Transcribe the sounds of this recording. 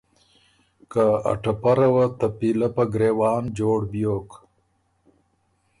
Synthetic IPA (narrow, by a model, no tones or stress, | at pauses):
kaa̰ʈapɐɾɐwat̪ɐpilɐpɐɡɾeːwɑːnd͡ʒoːɽbjoːk